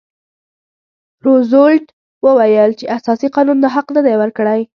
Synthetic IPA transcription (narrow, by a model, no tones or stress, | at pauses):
ɾozolʈ | wəwajəlt͡ʃeʔasɑsiqɑnund̪əɦaqnəd̪ajwəɾkəɽaj